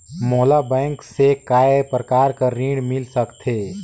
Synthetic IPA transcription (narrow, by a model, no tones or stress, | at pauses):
mɔːlabɛ̃ːŋksekaːepɾəkaːɾkaɾĩːɽmɪlsəkt̪ʰeː